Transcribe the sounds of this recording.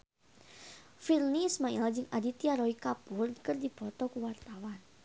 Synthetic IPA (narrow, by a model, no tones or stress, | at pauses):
filniːsmaɛld͡ʒɨŋadit̪iaɾɔikapʊrkərdipɔt̪ɔkuwart̪awan